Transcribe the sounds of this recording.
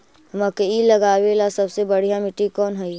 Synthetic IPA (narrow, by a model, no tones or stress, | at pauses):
ɦmãkeilɐɡaːwelasɐbsebəɽ̤ijamɪʈːikɔːnɦɛi